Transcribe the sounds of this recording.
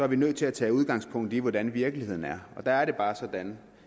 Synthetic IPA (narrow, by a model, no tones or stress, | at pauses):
sɒ̽æɐʋinøð̰ˠt͡sʰe̝læt͡sʰɛ̰ːuð̞ˠɡ̥ɑ̈ŋspʰɔ̽ŋ̰d̥iʋɒd̥ænʋiɐɡ̥lihe̝ð̰ˠn̩æɐɒ̽d̥ɑæɐɾe̝b̥ɑ̈ːsɒ̽d̥æn